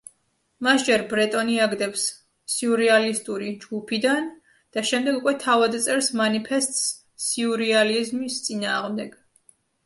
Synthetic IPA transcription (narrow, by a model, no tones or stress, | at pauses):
masd͡ʒɛɾbɾɛt̪ʼɔniaɡd̪ɛps | siuɾɛalist̪ʼuɾid͡ʒɡupʰid̪an | d̪̥aʃɛmd̪ɛɡukʼwɛt̪ʰavad̪t̪sʼɛɾsmanipʰɛst̪ʼs | siuɾializmist̪sʼinaːʁmd̪ɛɡ̥